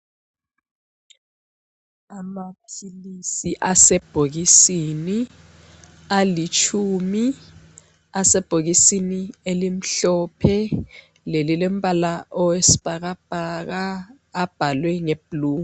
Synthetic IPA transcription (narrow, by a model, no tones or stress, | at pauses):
amapʰilisiʔasɛb̥ʱok̬isini | alit͡ʃʰumi | asɛb̥ʱok̬isinielim̩ɬɔpʰɛ | lelilem̩pʼalaʔɔwesi̥b̥ʱak̬ab̥ʱak̬aː | b̥ʱalwɛŋeb̥ʱluː